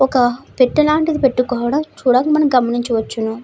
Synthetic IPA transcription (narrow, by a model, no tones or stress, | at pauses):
ɔkɐpe̞ʈːɐlaːɳʈid̪ipe̞ʈːukɔːʋɐɽɐmt͡ʃuːɽaːkɐmɐnɐmɡɐmɐniɲt͡ʃɐʋɐt͡ʃːunu